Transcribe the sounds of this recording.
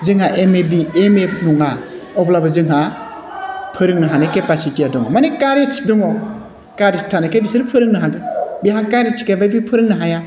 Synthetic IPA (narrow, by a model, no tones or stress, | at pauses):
zɯŋhaʔemebiemep̚muŋa | ɔblabazɯŋɦa | pʰɯɾɯŋnaɦanekepasitiadɔŋamanekaɾjat͡ʃʰi̥dɔŋɔw | kaɾistʰanakʰajbisɯɾɯpʰɯɾɯŋnaɦadebiɦaŋkaɾat͡ʃʰi̥kʰajbajbipʰɯɾɯŋnaɦaja